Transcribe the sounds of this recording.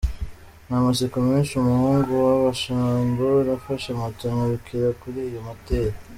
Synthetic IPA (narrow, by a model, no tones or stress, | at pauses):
namasikuminʃumuhuːŋɡuaβaʃambonafaʃamatuŋaɾikʰiɾakuɾijomateɾa